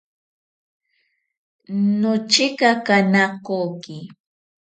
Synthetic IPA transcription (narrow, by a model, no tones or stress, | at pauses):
nʊt͡ʃɪkakanakoːkɪ